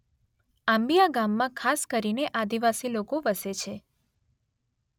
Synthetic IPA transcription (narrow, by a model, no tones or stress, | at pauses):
ãmbijaɡamːãkʰaskəɾineʔad̪iʋasilokoʋəset͡ʃʰe